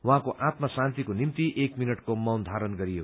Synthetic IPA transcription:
wuɦãkoʔat̪masãnt̪ikonimt̪iʔekminʌʈkomʌwnd̪ʱaɾʌnɡʌɾijo

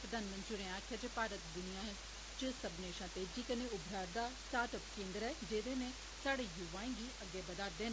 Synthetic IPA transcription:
pɾəd̪ʱaːnmə̃nt̪t͡ʃɪɽẽːaːkʰjaːd͡ʒeːpaːɾət̪d̪ʊnɪjãːɦɛ | t͡ʃəsəbneːʃãːt̪eːd͡ʒiːkənẽʊbʱɾaːɾd̪aːsʈaːɾʈəpkẽːnd̪ɾɦɛːd͡ʒeːd̪eːnẽː | saːɽeːjʊʋaːẽːɡiːʔəɡːeːbəd̪aːɾd̪eːn

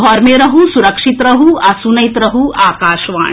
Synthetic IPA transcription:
ɔːɾmeɾɐɦusuɾɐkʂit̪ɾɐɦuɐsunɐjt̪ɾɐɦuaːkaːʃʋa̰ː

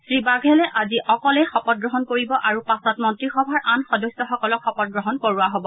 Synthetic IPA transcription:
sɹibaɡʱɛlɛʔaziʔɔkɔlɛxɔpɔt̚ɡɹɔɦɔnkoɹibɔʔaɹupasɔtmɔntɹixɔbʱaɹʔanxɔdɔsːɔxɔkɔlɔkxɔpɔt̚ɡɹɔɦɔnkoɹuwaɦobɔ

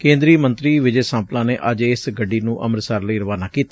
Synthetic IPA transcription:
kẽːnd̪ɾiːmənt̪ɾiːʋɪd͡ʒeːsãːplãːneːʔəd͡ʒesɡəɖiːnũːʔə̰məɾsəɾləiːɾəʋaːnaːkiːt̪a

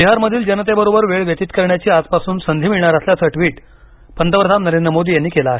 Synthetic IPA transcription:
biɦaɾməd̪ʱiːld͡ʑənət̪ebəɾobəɾʋeɭʋjət̪it̪kəɾɳjat͡ɕiːad͡zpasuːnsənd̪ʱiːmiɭɳaɾəsljat͡səʈʋiːʈ | pənt̪əpɾəd̪ʱamnəɾend̪ɾəmod̪ʱiːjanːiːkelaːɦe

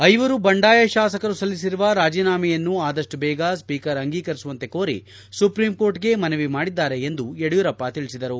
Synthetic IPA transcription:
ɐjʋɐɾubɐɳɖaːjɐʃaːsɐkɐɾusɐlːisiɾuʋɐɾaːd͡ʒiːnaːmɛjɐnːuaːd̪ɐʂʈubɛːɡɐspiːkɐɾɐŋɡiːkɐɾisuʋɐnt̪e̞koːɾḭ | supɾimko̞ːɾʈɡe̞mɐnɐʋimaːɽid̪ːaːɾe̞ːnd̪ueɽujuɾɐpːɐt̪iɭisid̪ɐɾu

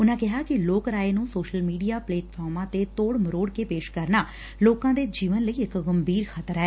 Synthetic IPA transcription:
ʊnãːkɪɦaːkɪloːkɾaːeːnũːsoːʃəlmiːɖijaːpleːʈpʰɔːɾmãːt̪eːt̪oːɽməɾoːɽkeːpeːʃkəɾnaː | loːkãːd̪eːd͡ʒiːʋənləiːɪkɡəmbiːɾkʰət̪əɾɛː

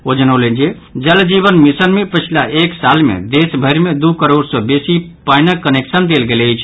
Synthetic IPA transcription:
od͡ʒənəwlend͡ʒe | d͡ʒəld͡ʒiβənmisənmepət͡ʃʰilaʔeksalmḛd̪esbʱəɾmed̪ukəɾoɖsɔbesipaɪnəkːəneksənd̪elɡeləjt͡ʃʰ

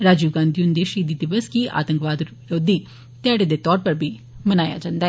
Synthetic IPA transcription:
ɾaːd͡ʒuːɡãːnd̪iʊnd̪eːʃiːd̪iːd̪ɪʋəskiʔa̰ːt̪ə̃ŋkʋaːd̪ | ɾoːd̪iː | t̪ɛːɽed̪eːt̪ɔːɾpəɾbʱiː | mənaːja̰ːd͡ʒãːnd̪aɛ

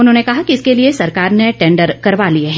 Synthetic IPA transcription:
ʊnɦõːnekɐɦakiɪskeliesɐɾkaːɾneʈɛ̃ːɳɖəɾkɐɾʋalieɦɛ̃

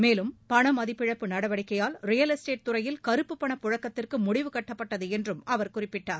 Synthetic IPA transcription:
meːlɯmpɐɳɐmɐðɪpːɪɻɐpːɯnɐɽɐʋɐɽɪkːɐjaːlrɪjɐlɛsʈeːʈ̚t̪ʊɾɐjɪlkɐɾɯpːɯpːɐɳɐpːʊɻɐkːɐt̪ːɪrkɯmʊɽɪʋɯkɐʈːɐpːɐʈːɐðɯɛndrɯmɐʋɐɾkʊrɪpːɪʈːaːɾ

